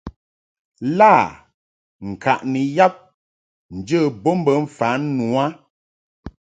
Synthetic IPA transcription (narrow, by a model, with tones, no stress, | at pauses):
la˦˨ | ŋ̩˨ka˨ʔni˨ja˦p̚ | n̩˨d͡ʒə˦˨bo˦m̩˦bə˨˦ɱ̩˨fa˨˦nu˨˦a˦